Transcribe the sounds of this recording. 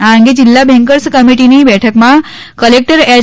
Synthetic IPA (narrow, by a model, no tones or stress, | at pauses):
ãŋɡed͡ʑilːabʱɛ̃ŋkəɾskəmiʈinibɛʈʰəkmã | kəlek̚ʈəɾɛ